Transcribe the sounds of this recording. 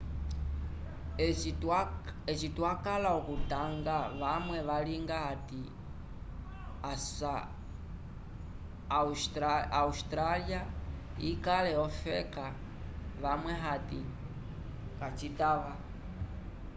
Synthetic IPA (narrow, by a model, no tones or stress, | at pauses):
ɛt͡ʃitwakalaukutaŋɡaʋamwɛʋaliŋɡaati | asa | austɾalia | ikalɛɔfɛka | ʋamwɛɦatḭ | kat͡ʃitaʋa